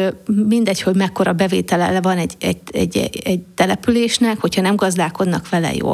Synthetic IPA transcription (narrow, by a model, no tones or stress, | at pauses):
mind̪ɛcho̞ɟmɛkːo̞ɾɒbɛveːt̪ɛlɛ̰lɛvɒnɛɟɛɟɛ̰ɟːɛ̰ɛɟt̪ɛlɛpyleːʃnɛkho̞chɒnɛmɡɒzd̪aːko̞d̪nɒkʋɛlɛ̰jo̰ː